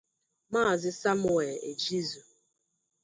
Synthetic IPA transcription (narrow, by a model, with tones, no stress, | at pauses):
ma˦˨zɪ˦sa˦m˦˨e˨e˨d͡ʒi˦zu˨